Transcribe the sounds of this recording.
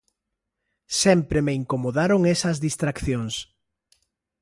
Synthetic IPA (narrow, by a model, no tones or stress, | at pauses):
sɛmpɾemeiŋkomoðaɾoŋesɐzðist̪ɾakθjoŋs